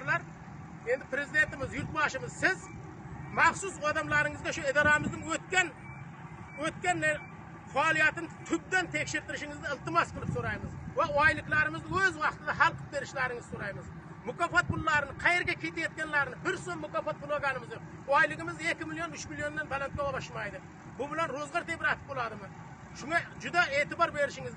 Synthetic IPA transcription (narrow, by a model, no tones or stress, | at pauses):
ɾlˠɑɾ | end̪ɪpʰɾezɪd̪ent̪ɪmɪzjʊɾt̪bɑʃɪmɪzsɪz | mɑχsusɑd̪ɑmlˠɑɾɪŋɨzɡʲɑʃʊɪd̪ɑɾɑmɨzd̪ɪŋwɵt̪̚kʲɛn | wɵt̪̚kʲɛnː | fɑlˠijæt̪ɪnt̪ʰʊp̚d̪ɛnt̪ʰekʲʃɪɾt̪ɪɾɪʃɪŋɪzd̪ɪɪlˠt̪ɨmɑsqʰəlˠɨp̪soɾɑjmɨzwɑɑjlˠɨklˠɑɾɪmɨzd̪ɪwɵzwɑqt̪əd̪ɑɦɑlˠqʰə̥p̚be̞ɾɪʃlæɾɪŋɪzsoɾɑjməz | mʊkɑfɑt̪̚pʰʊlˠːɑɾɨnəqʰɑje̞ɾɡʲekʲʰet̪ejet̪kʲenlˠæɾnɪbɪɾsonmʊkɑfɑt̪̚pʰʊlˠoɡanəmɨzowɑjlˠɨʁəmɪzjekʲɪmɪlˠjonʊt͡ʃmilˠjo̞nːenbalˠant̪̚ʲowɑbɑʃmɑjd̪ɨ | bʊbɪlænɾozʁɑɾt̪ebɪɾɑt̪ə̥p̚bolˠɑd̪əmə | ʃʊŋɑd͡ʒʊd̪ɑet̪ɪbɑɾbe̞ɾɪʃɪŋɪzd̪ɪ